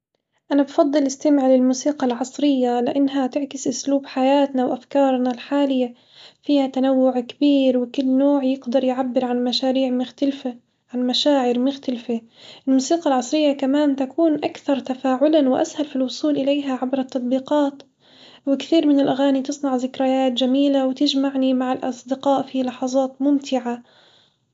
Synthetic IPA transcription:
ʔanabfɑd̪ˤːɨlʔɪst̪amɪʕlɪlmuːsiːqɑlʕɑsˤɾɪjːalɪʔanːɦat̪ɪʕkɪsʔʊsluːbħajaːt̪nawʔafkɑːɾˤnalħaːlɪjːa | fiːhat̪anawːʊʕkɪbiːɾwɪkʊlːnoːʕjɪɡd̪ɑɾˤjʕabːɪɾʕanmaʃaːɾiːʕmʊxt̪alfa | ʕanmaʃaːʕɪɾmʊxt̪alfaʔɪlmuːsiːqɑlʕɑsˤɾɪjːakamaːnt̪akuːnʔakθɑɾˤt̪afaːʕʊlanwɪʔa̰shalfilwʊsˤuːlʔɪlejɦaʕabɾɑt̪ːɑt̪̚ˤbiːqɑːt̪ | wɪkθiːɾmɪnɪlʔaɣaːnit̪ɨsˤnɑʕzɪkɾajaːt̪d͡ʒamiːlawɪt̪ɪd͡ʒmaʕnimaʕalʔɑ̰sˤd̪ɪqɑːʔfilɑħɑzˤɑːt̪mʊmt̪ɪʕa

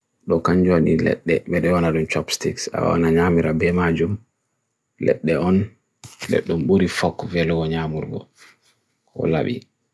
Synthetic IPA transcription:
ɗɔkaɲd͡ʒonilɛ̰ɗːɛɓɛɗɛwanaɗumt͡ʃɔpstiksa̰w̰a̰naɲaːmiɾabɛmad͡ʒum | lɛ̰ɗːɛɔn | lɛ̰ɗːumɓuɾifɔkːvɛlɡɔɲaːmuɾɡɔ̰ | kʰɔ̰laɓḭ

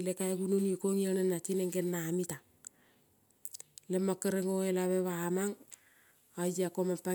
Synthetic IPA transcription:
lekaekununikoŋjanenːat͡ʃineŋɡenmamita | lemːakːeɾeŋoelaβeβamaŋ | ad͡ʒakomapa

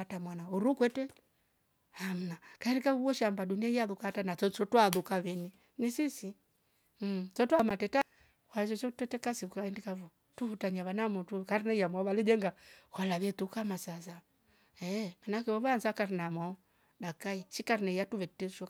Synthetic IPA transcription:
atamwanauɾukwɛtɛ | ham̩nakaɛndikavuβɔʃambaɗuniaiaðukatanat͡ʃɔt͡ʃɔtwaðukaβɛni | nisisi | m̩t͡ʃɔtwamatɛta | hwad͡ʒɔt͡ʃɔtɛtɛkasiukaɛndikavu | tuhutaɲaβanamutukaɾinɛijamwaβalid͡ʒɛŋɡakwalaβɛtukamasasa | ɛmanakɛɔβanzakaɾinamwaɔ | ɗakaiʃikaɾinɛijatuβɛtɛʃɔ

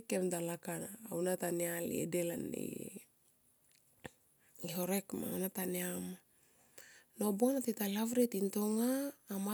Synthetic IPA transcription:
kemdalakanaːwnatanealḛḛdelanḛ | eɦo̞ɾekma̰wnataneama | nobonatitalavɾetintoŋaːma

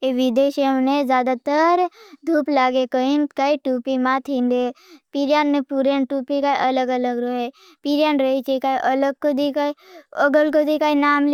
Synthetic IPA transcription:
eʋɪd̪eːʃəmnezjaːd̪at̪əɾd̪ʱuːplaːɡekəĩnkaiʈuːpimat̪ʰĩnd̪epiɾjaːnepuɾenʈuːpikaiʔɐləɡələɡɾoɦe | piɾjaːnɾəit͡ʃekaiʔələɡ̚kod̪ikəɡəlkod̪ikainaːml

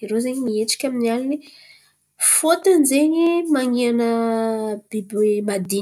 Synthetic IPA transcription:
iɾozeɲimieʈ͡ʂi̥kʲaminialini | fot̪anzeɲimaŋianə | b̥ibemad̪i

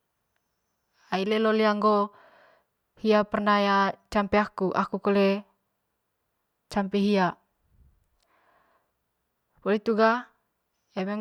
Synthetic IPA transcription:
aileloliaŋɡo | hiapərnajat͡ʃampeakuʔa̰kukole | t͡ʃampɛɦia | polit̪uɡa | jame

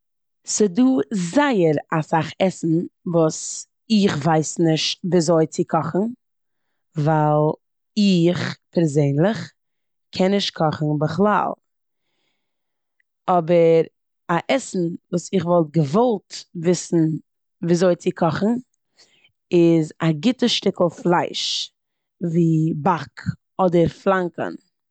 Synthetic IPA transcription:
sɪduːzaɪəɾasaχɛsn̩vuːs | ɪχvaɪsnɪʃtviːzoɪt͡sɪkʰɔχn̩ | valˠ | ɪχpʰɛɾzeɪnlˠɪχ | kʰɛnːɪʃt̚kʰɔχn̩bəχlˠa̰lˠ | ɔbəɾ | aʔɛsn̩vuːsɪχvɔlˠt̚ɡəvɔlˠtvɪsn̩ | viːzoɪt͡sɪkʰɔχn̩ | ɪzaɡɪtəʃtɪkl̩ˠflˠaɪʃ | viːbak | ɔdəɾflˠaŋkə̰n

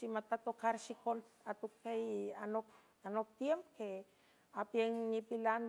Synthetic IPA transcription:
simat̪at̪okaɾsikont̪ | at̪ukːejanok | anok̚t̪jempke | apieŋnipilan

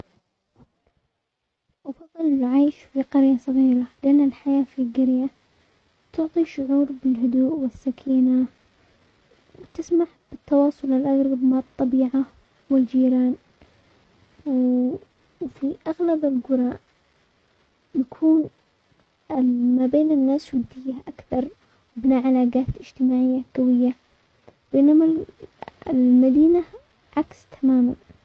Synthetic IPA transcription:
ʔfɑðˤːɨlɪlʕaːʃfiqɑɾjasˤɑɣiːɾalɪʔanːɪlħajaːfiɡɪɾja | t̪ʊʕt̪ˤiʃʊʕuːɾbɪlɦʊd̪uːʔwɪsːakʰiːna | wt̪ɪsmaʕb̥ɪt̪ːɑwɑːsˤʊlɪlʔaɣɾˤɑbmaʕɑt̪ˤːɑbiːʕa | wɪld͡ʒiːɾaːn | w | fiʔaɣlabɪlɡʊɾˤɑːʔ | jakʰuːn | ɪmaːbeːnɪnːaːswɪnt̪ɪjːaʔakθɑɾˤ | bɪnaːʕalaːɡaːt̪ɪd͡ʒt̪ɪmaːʕɪjːaɡ̥awɪjːa | bɪnama | ɪlmad̪iːna | ʕakst̪ʰamaːma̰n

